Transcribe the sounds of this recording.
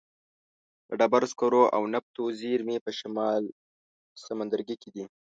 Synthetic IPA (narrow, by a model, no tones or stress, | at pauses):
d̪əɖabaɾskoɾoʔa̰wnap̚t̪oziɾmepəʃamɑl | samand̪aɾɡiked̪i